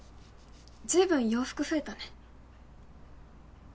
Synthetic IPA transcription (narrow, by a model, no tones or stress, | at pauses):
d͡ʑɨːbɯ̟̃ɰ̃jo̞ːɸɯ̥kɯ̟ɸɯ̟e̞t̪anẽ